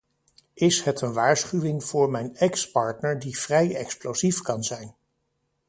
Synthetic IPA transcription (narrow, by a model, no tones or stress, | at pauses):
ʔɪsɦɛtənʋaːɹsχyʋɪŋv̥ʊːɹmɛjnɛkspɑɹtnəɹdiv̥rɛjɛ̰ksplozifkɑnzɛjn